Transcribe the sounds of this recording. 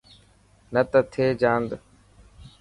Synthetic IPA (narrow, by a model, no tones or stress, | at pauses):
nət̪ət̪ʰeːd͡ʒaːnd̪